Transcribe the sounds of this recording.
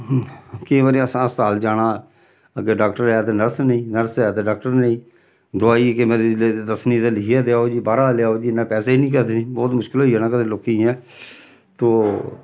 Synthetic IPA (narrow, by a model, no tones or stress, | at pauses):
kɪ̃ːʋaːɾĩːəsãːəsaːld͡ʒaːɽ̃ãː | əɡeːɖaːk̚ʈəɾɛːt̪eːnəɾsnəĩːnəɾsɛːt̪eːɖaːk̚ʈəɾnəĩː | d̪ʊaːiːkemeːɾed̪əsniːt̪eːlɪkɪɛːd̪eaːoːd͡ʒiːbaːɾaːlɪaːoːd͡ʒiːɪnãːpɛːseːinĩːkəɾd̪eːnĩːbɔːt̪mʊʃkɪlɦoːiːɛːnãːkəd̪ẽːloːkĩɛ̃ː | t̪oː